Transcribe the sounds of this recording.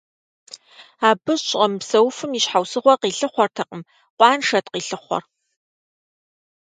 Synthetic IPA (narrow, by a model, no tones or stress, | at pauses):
aːbɨɕʼɐmpsɐwfɨmiɕħawsɨʁʷɔqiːɬɨχʷɔrtʰɐqəm | qʷʼɑːnʂɐtqiːɬɨχʷɔ̰r